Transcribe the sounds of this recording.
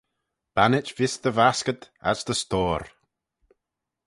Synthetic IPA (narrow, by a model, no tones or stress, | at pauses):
b̥anɪt͡ʃvɪsðəvaskət̪ | a̰sðəst̪ɔːɹ